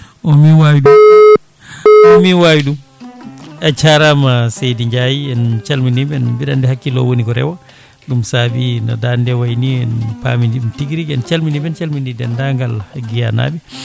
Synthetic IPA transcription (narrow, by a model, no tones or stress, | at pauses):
ɔmiwawiɗu | ɔmiwawiɗum | at͡ʃaɾamasejdiɲd͡ʒajiɛnt͡ʃalminibɛnbiɗandɛhakːilɔ̰wonikɔɾɛ̰wa | ɗumsabinɔ̰dandɛwajniɛnpa̰mindiumtiɡɾikɛnt͡ʃalminibɛnt͡ʃalmindidɛndaŋɡalhaɡija̰na̰bi